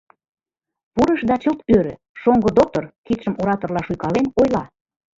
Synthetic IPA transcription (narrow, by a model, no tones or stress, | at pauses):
puɾəʃd̪ɑt͡ɕəlt̪øɾø̰̆ | ʃoŋɡod̪ok̚t̪orkit̪ʃəmoɾɑt̪orlɑʃujkɑlenojlɑ